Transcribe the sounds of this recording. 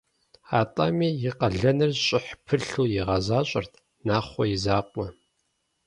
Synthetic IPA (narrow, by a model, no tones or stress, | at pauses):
aːtʼamiːjɪqɐɮɐnɨrɕʼɪħpʰɨɬuːjɪʁɐzaːɕʼɐ̰rt̪ʰ | naːχʷɔjɪzaːqʷʼɔ